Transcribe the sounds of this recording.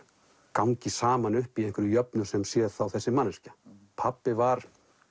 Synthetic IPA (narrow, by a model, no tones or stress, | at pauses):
kawŋɲcɪsaːmanʏhpiejŋkvʏɾʏjœpnʏsɛmsjɛð̥θawθɛsːɪmanːascḁ | pʰapːɪvaɾ̥